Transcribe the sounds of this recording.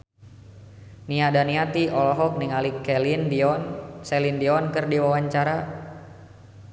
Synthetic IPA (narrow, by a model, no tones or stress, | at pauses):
niadaniat̪iʔɔlɔɦɔk̚niŋalikɛlindɔnsɛlindiɔnkɨrdiwawaɲt͡ʃaɾa